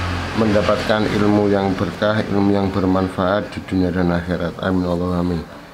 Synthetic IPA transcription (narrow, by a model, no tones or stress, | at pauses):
məndapat̪̚kanʔḭlmujaŋbərkahḭlmujaŋbərmanfaʔat̪̚d̪̥i̤d̪̥uniadanaxeɾat̪a̰minɔlɔɦamɪl